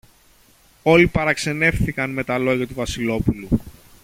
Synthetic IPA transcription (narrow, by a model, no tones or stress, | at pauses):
o̞lipɐɾɐkse̞ne̞fθikɐnme̞t̪ɐlo̞ʝɐt̪uvɐsilo̞pulu